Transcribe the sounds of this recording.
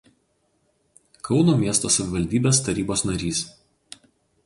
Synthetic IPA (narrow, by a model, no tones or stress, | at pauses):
kɒʊnoːmʲiɛst̪oːsɐʋʲɪʋɐlʲd̪ʲiːbʲeːst̪ɐɾʲiːboːsnɐɾʲiːs